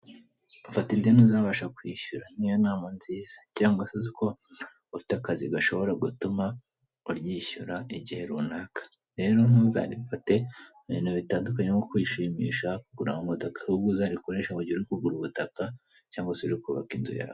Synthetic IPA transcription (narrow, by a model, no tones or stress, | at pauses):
ufatindenuzaβaʃakwiːʃuɾan̥ijonaːmanziːz̥ḁcaːŋɡwasaziko̞ | ufitakaziɡaʃo̞βo̞ɾaɡutuma | uɾjiːʃṵɾaiɟihe̞ɾunaːkḁ | ɾe̞ːɾo̞nuza̰ːɾifate̞ | βḭːnoβitaːndukaɲemokwiʃiːmḭːʃakuɡuɾa̰mumutokḁhuɡuzaːɾikoɾeʃauɟiuɾikuɡuɾuβutaka | caːŋɡwasiɾikuβa̰kinzṵja̰ːβo